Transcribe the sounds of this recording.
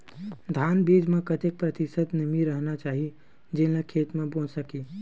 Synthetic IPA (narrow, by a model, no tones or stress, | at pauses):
d̪ʱaːnbiːd͡ʒmẽkət̪ek̚pɾət̪isət̪nəmiɾəɦnat͡ʃaːɦi | d͡ʒelẽkʰeːt̪mẽbõsəki